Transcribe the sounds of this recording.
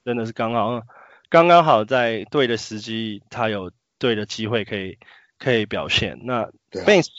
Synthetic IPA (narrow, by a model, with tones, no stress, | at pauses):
ə˦nd̪ə˨ʂ̬̩˥˩kɑ˥ŋhɑ˨˩ʊə˧ | kɑ˥ŋkɑ˥ŋɦɑ˨˩ʊt͡sa˥˧ɪt̪we˥˩ɪd̪ə˩ʂɻ̩˧˥t͡ɕi˥t̪ʰa˦jo˨˩ʊ | t̪we˥˩ɪd̪ə˩t͡ɕi˦˥xwe˥˩ɪkʰɤ˧˥i˨˩ | kʰɤ˧˥i˨˩pjɑ˨˩ʊɕjɛ̰˥˨nna˥˨ | pe˥˧